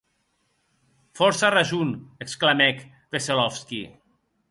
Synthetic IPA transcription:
fɔɾsaraʒuneksklamɛk | β̥eselɔfski

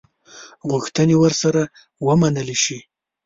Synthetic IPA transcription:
ɣuxt̪ənewəɾsaɾa | wəmanəleʃi

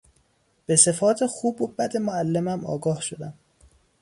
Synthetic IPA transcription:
b̥e̞se̞fɒːt̪ʰexuːbobæd̪e̞moælːemæmʔɒ̰ːɡɒːhʃo̞d̪æm

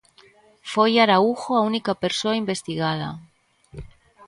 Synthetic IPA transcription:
fojaɾauxoaunikape̞ɾsoaimbe̞st̪iɣað̞a̰

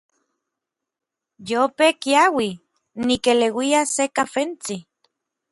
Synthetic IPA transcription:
jopekiawi | nikelewiasekafent͡si

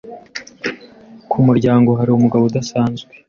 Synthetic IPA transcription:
kʰumuɾɟaːŋɡo̞ɦaɾiumuɡaβod̪asaːnzɡwe

